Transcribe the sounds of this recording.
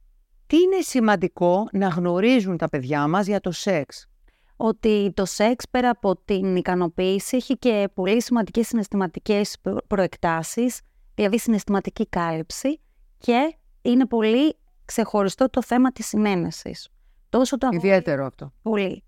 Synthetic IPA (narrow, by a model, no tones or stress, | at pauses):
t̪iine̞simɐnd̪iko̞nɐɣno̞ɾizunt̪ɐpe̞ðʝɐmɐzʝɐt̪o̞se̞ks | o̞t̪it̪o̞se̞kspe̞ɾɐːpo̞t̪inikɐno̞piːsieçice̞po̞lisimɐnd̪ice̞sːine̞st̪imɐt̪ice̞spɾo̞e̞kt̪ɐsis | ðilɐðisine̞st̪imɐt̪icikɐlipsi | ce̞ | ine̞po̞li | kse̞xo̞ɾist̪o̞t̪o̞θe̞mɐt̪isine̞ne̞sḭs | t̪o̞so̞t̪oɐiðie̞t̪eɾoɐft̪o̞po̞li